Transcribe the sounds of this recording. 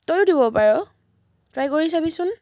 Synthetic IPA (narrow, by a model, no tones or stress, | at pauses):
tojudibɔpaɹɔ | tɹajkoɹis̬abisʊn